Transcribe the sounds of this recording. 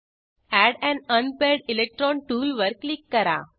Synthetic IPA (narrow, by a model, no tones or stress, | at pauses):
æɽɛ̃nənpeɾɖilek̚ʈɾɔnʈuːlʋəɾklikːəɾa̰